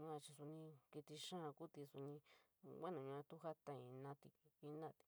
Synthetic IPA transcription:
ɲũ˧˦ã˧t͡ʃi˧su˧nĩ˧ki˧t̪i˧ʂã˦˨˧ku˦t̪i˧su˧nĩ˧wʷa˦nũ˨ɲũ˧ã˧t̪u˦ɦa˦t̪ã˧ĩ˧nã˧t̪i˧i˧nã˦˨t̪i̥˧

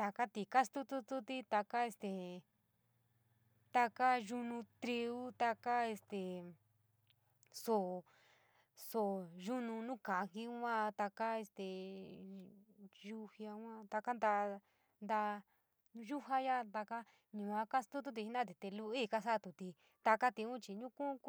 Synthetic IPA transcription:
t̪a˧ka˦t̪i˧ka˦st̪u˦t̪u˦t̪u˧t̪i˧t̪a˧ka˦e˧st̪e˨ | t̪a˧ka˦ʒu˧nũ˧t̪ɾi˧u˦t̪a˧ka˦e˧st̪e˨ | so˨ | so˨ʒu˦nũ˧nũ˦kã˨˧ki˦ã˦t̪a˧ka˦e˧st̪e˨ | ʒu˧hi˧a˧˦ã˦t̪a˧ka˦nd̪a˧ | nd̪a˧ | ʒu˦ɦa˦ja˦˧t̪a˧ka˦ | ɲũ˨ã˧ka˦st̪u˦t̪̬u˦t̪i˧i˧˦nã˦˧t̪i˧t̪e˧lu˧i˦˧ka˧sa˦˧t̪u˧t̪i˧ | t̪a˧ka˦t̪i˧ũ˦t͡ʃi˧ɲũ˦kũ˦

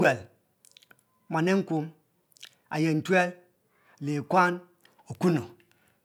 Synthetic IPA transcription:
e˨l | ma˨ne˦ŋ˦ku˦ | a̰˨je˨n̩˨twe˦l | le˨kwa˦n | o˨ku˦no˨

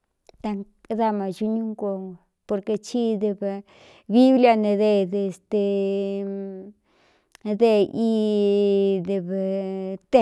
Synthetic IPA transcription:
t̪a˧ŋ˦ | d̪a˧ma˨t͡ʃu˧ɲu˦ŋko˧˨ | po˧ɾke˧t͡ʃi˦d̪e˧b | bi˦blja˧ne˧d̪e˧d̪e˧˨st̪e˧ | d̪e˧ʔi˧ | d̪e˧bt̪e˦˨

